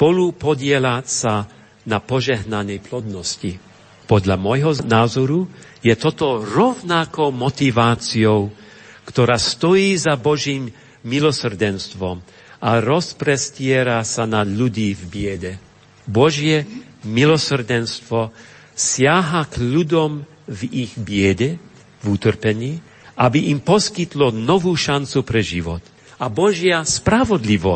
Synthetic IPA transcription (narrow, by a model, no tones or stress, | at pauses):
spɔlupɔɟɪɛlasa | napɔʒɛɦnanɛjplɔd̪nɔsci | pɔd̪ʎamɔjɦɔnaːzɔɾu | jɛt̪ɔt̪ɔɾɔwnakɔʊmɔt̪ivaːt͡siɔʊ | kt̪ɔɾaːst̪ɔjiːzabɔʒiːmː | ilɔsr̩dɛnst̪ʋɔm | ʔaɾɔspɾɛscɪɛɾasanaʎuɟiːvbɪɛɟɛ | bɔʒjɛmilɔsr̩dɛnst̪ʋɔ | sɪaɦakʎud̪ɔm | viɣbɪɛɟɛ | vut̪r̩pɛɲiː | ʔabiʔimpɔskit̪lɔnɔvuːʃant͡supɾɛʒiʋɔ̰t̪ | abɔʒjaspɾavɔd̪liʋɔ